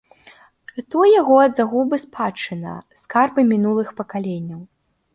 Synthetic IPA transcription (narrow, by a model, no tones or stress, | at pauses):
ɨt̪ujaɣɔɐd̪zaɣubɨspʰat͡ʂɨnɐ̰skarbɨmʲinulˠɨxpɐkalʲenʲːɐw